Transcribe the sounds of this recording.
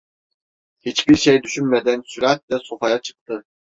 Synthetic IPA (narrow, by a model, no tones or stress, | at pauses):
hit͡ʃbiɾʃejd̪yʃynmed̪ænsyɾat̪̚d̪ɛso̞fajat͡ʃʰɯ̥k̚t̪ʰɯ